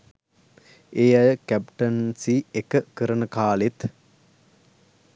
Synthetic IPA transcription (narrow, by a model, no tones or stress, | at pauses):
eːajəkæp̚ʈɐnsiekəkəɾənəkaːlet̪